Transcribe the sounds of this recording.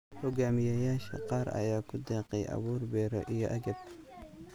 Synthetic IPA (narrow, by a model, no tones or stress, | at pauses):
hʊɡaːmɪjɐjaːʃɐ̰qɑːɾɐ̰jaːkʰʊd̪ɛːqɛjʔɑ̰βuːrbɛːɾɔ̰ʔijɔʔɐɡɐb̚